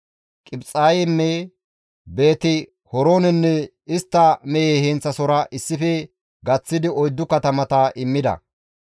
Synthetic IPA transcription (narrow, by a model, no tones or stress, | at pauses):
kʼɪbt͡sʼaːjɛnːɛ | be̞ːt̪ɪ | hɔɾoːnɛnːɛ | ɪst̪ːɐmɛjeːhent͡sːɐsɔɾɐʔɪsːɪfɛ | ɡɐt͡sːɪd̪ɪɔjd̪ːʊkɐt̪ɐmɐt̪ɐʔɪmːɪd̪ɐ̰